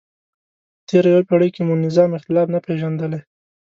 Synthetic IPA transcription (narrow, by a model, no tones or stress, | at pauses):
t̪ʰeɾajwapeɽəjkemunɪzɑmɪxt̪ɪlɑfnapeʒand̪əle